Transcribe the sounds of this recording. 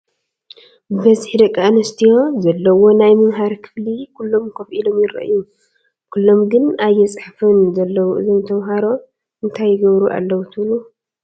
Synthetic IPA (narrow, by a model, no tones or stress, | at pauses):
bɨβɐzħid̪ɐkʼːianɐst̪ʰijo̞zɐlːɐwo̞najmɨmɦaɾkʰɨ̥flikʰulːo̞mkʰɐfʔilo̞mjɪɾɐ̰ʔɨ̰ju | kʰulːo̞mɡɨnajːɛt͡sʼħfɨnzɐlːɐwɨ̰zomt̪ʰɐmɦaɾo̞ | ɨnt̪ʰajːɪɡɐβɾuʔa̰lːɐwut̪ʰɨβlu